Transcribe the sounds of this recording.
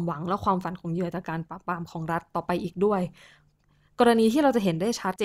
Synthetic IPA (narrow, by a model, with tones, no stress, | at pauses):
mwa˨˩˦ŋlɛ˦˥kʰwaː˧mfa˨˩˦nkʰo˧mjɯ˧˩ət͡ɕaː˨˩kaː˧npaː˨˩pɾaː˧mkʰɔː˩˦ŋɾa˦˥t̪ːɔː˨˩pa˧jʔiː˨˩k̚du˥˩əj | kɔː˧ɾa˧niː˧t̪ʰiː˥˩ɾa˧wt͡ɕa˨˩ɦe˨˩˦ndaː˥˩jt͡ɕʰa˦˥t̪̚t͡ɕeː˧